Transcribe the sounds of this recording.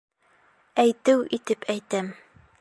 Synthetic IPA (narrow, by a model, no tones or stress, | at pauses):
æjt̪ɘwʔit̪ɘpʰæjt̪æm